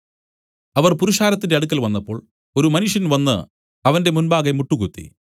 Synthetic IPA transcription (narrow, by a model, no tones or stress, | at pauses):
ɐʋɐrpuɾuʂaːɾɐt̪̬ːinde̞ɐɽuk̬ːɐlʋɐnːɐpːo̞ːɭ | o̞ɾumɐnuʂjɐnʋɐnːɨ | ɐʋɐnde̞munbaːɡemuʈːuɣut̪ːḭ